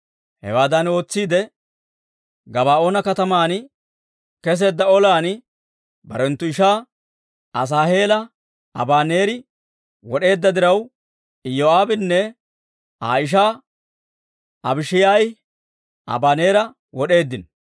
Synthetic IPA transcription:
hɛ̰waːd̪ɐno̞ːt͡sːiːd̪ɛ | ɡɐβaːo̞ːnɐkɐt̪ɐmaːn | kɛs̬e̞ːd̪ːɐɔlaːn | bɐɾɛnt̪ːʊɪʃaː | ɐs̬aːhe̞ːlɐ | ɐ̰baːne̞ːɾɪ | wɔɗe̞ːd̪ːɐd̪ɪɾɐw | ɪjoaːbɪnːɛ | a̰ːɪʃ̬aː | ɐbɪʃɪjaːj | ɐ̰baːne̞ːɾɐ | wɔɗe̞ːd̪ːɪn

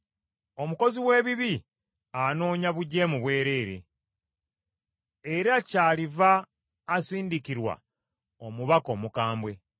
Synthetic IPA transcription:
o̞muko̞ziwe̞ːβiβi | ano̞ːɲaβuɟːe̞muβwe̞ːɾe̞ːɾe̞̰ | eɾacaːlivaː | siːndikiɾwa̰ | omuβako̞ːmukaːmbwe̞

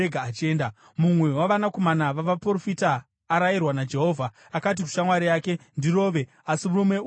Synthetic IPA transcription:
eɡʱaːt͡ʃe̞ːnda | mumwe̞waʋanako̞manaʋaʋapro̞fitaː | ɾajirwanad͡ʒe̞ɦo̞ːvʱa | akat̬iku̥ʃamwaɾijake̞ndiro̞ːʋe̞ | asimurumwe̞

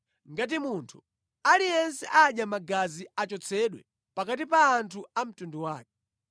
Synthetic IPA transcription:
ŋɡat̬imuntʰu̥ | alijɛnsɛʔaɗjamaɡaziat͡ʃɔt͡sʰɛɗwɛ̰ | pakat̬ipaːntʰuam̩tunduwaːk̚ɛ

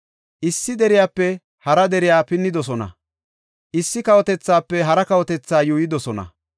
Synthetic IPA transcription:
ʔɪsːɪd̪ɛɾɪjaːpːɛ | hɐɾɐd̪ɛɾɪjaːpɪnːɪd̪ɔs̬ɔnɐ̰ | ʔɪsːɪkɐwɔt̪ɛt͡sːaːpːɛɦɐɾɐkɐwɔt̪ɛt͡sːaːjuːjɪd̪ɔsɔnɐ̰

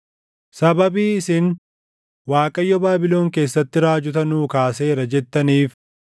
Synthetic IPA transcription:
sɐbɐbiːɪsɪn | waːkʼɐjːɔbaːbɪlo̞ːŋke̞ːsːɐt̪ːɪɾaːd͡ʒʊt̪̬ɐnuːkaːse̞ːɾɐd͡ʒɛt̪ːɐniːf

